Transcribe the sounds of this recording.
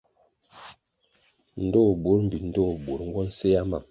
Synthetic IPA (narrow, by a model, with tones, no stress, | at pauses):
n̩˨˦do˦˨bo˨˦ɾm̩˨bi˨n̩˦do˦˨bo˨ɾŋ̩˦ɡwɔ˦n̩˦se˦ja˦ma̰˨m